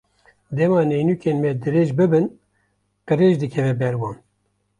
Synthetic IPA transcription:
d̪ɛmɑːnejnuːkeːnmɛd̪ɨɾeːʒbɨbɨn | qɨɾeːʒd̪ɨkʰɛvɛbɛɾwɑːn

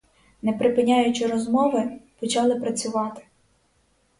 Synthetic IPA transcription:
nɛpɾɪpɪnʲɑjʊt͡ʃɪɾɔzmɔʋɪpɔt͡ʃɑlˠɪpɾɐt͡sʲʊʋɑt̪ɪ̥

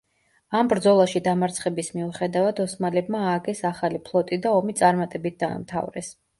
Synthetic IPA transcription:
ambɾd̪zɔlˠaʃid̪amaɾt̪sʰχɛbismiuχɛd̪avad̪ɔsmalɛbmaːɡɛsaχalipʰlˠɔt̪ʼid̪aɔmit̪sʼaɾmat̪ʼɛbit̪̚ʰd̪a̰ːmt̪ʰa̰vɾɛ̰s

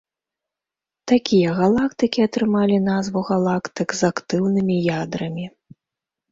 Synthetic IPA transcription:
t̪akʲijɐɣalˠakt̪ɨkʲiɐt̪ɾɨmalʲinazvuɣalˠakt̪ɨkzakt̪ɨwnɨmʲijad̪ɾɐmʲi

